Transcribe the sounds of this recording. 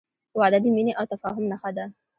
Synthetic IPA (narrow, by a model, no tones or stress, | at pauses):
waʕad̪ad̪iminiʔawt̪afaːɦʊmnaxad̪a